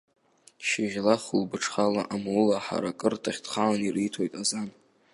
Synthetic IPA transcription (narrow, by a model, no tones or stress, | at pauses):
ʃiʁʲlaχulbɨʈ͡ʂʰχalaʔamulaħa̰ɾakʼɨrtʰaχʲtχaanirijtʰo̞jtʼazan